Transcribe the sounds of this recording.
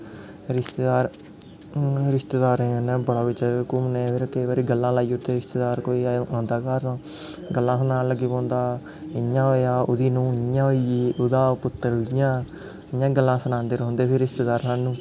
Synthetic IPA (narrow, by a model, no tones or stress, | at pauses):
ɾɪst̪eːd̪aːɾ | ɾɪʃt̪eːd̪aːɾẽːə̃nẽːbəɽaːʋɪt͡ʃkʊmneːpʰɪɾkeːʋaːɾiːɡəlːãːlaːiːʊt̪eːɾɪst̪eːd̪aːɾkoːiːõːnd̪aːkaːɾãː | ɡəlːãːsənaːləɡiːpõːnd̪aː | ɪãːɦoːjaːʊd̪iːnũːɪãːoiiʊd̪aːpʊt̪ːəɾʊjãː | ɪãːɡəlːãːsənãːnd̪eːɾɔõnd̪eːpʰɪɾɪst̪eːd̪aːɾsaːnːũː